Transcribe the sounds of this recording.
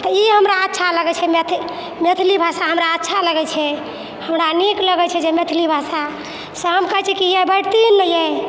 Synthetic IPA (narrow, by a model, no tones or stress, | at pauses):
t̪ɔiɦəmɾaətːʃʰaləɡɛt͡ʃʰɛmet̪ʰ | met̪ʰilibʱasaɦəmɾaətːʃʰaləɡɛt͡ʃʰɛ | həmɾanikləɡɛt͡ʃʰɛd͡ʒemet̪ʰilibʱasa | səɦəmkəɦɛt͡ʃʰɛkiɛbəɽt̪inːəjɛ